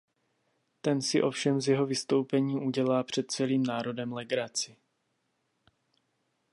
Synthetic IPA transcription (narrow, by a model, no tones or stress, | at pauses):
t̪ɛnsɪʔo̞fʃɛmzjɛɦo̞vɪst̪o̞wpɛɲiːʔuɟɛlaːpr̝̥ɛt̪̚t͡sɛliːmnaːɾo̞dɛmlɛɡɾat͡sɪ